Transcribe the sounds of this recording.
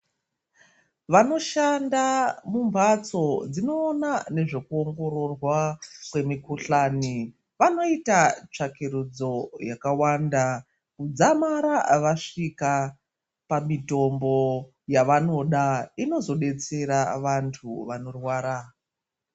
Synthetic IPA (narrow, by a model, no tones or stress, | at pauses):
ʋano̞ʃandamumvat͡so̞d͡zino̞ːnane̞ʐe̞kuoŋɡo̞ɾo̞rwakwe̞mikuɬaːni | ʋano̞itat͡ʂakeɾud͡zo̞jakawanda | kud͡zamaɾaʋaʂika | pamito̞mbo̞ | jaʋano̞ɗaino̞zo̞ɗe̞t͡se̞ɾaʋantʰuʋano̞rwaːɾa